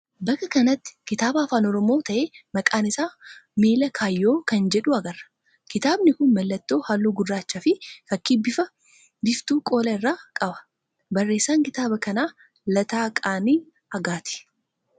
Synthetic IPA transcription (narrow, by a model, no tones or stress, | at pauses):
bɐkːɐkɐnɐt̪ːɪ̥kɪt̪aːbɐːfaːnɔɾɔmo̞ːt̪ɐʔeːmɐkʼaːnɪsaːmiːlɐkʰaːjːo̞ːkɐnd͡ʒɛᶑʊɐɡɐrːɐ̥ | kɪt̪aːbnɪkʊnmɐlːɐt̪ːo̞ːhalːuːɡʊrːaːt͡ʃːafɪfɐkːibːɪfɐ | bɪft̪uːkʼo̞ːlɐɪrːaːkʼɐbɐ̥ | bɐrːe̞ːsːaːŋkɪt̪aːbɐkɐnaː | lɐt̪aːkʼaːniː | ɐɡaːt̪ɪ̥